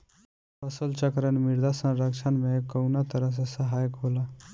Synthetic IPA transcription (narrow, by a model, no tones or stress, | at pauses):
pəsəlt͡ʃəkɾənmiɾd̪asə̃ɾəkt͡ʃʰanmekəwnat̪əɾəɦs̬ẽsəɦajəkɦola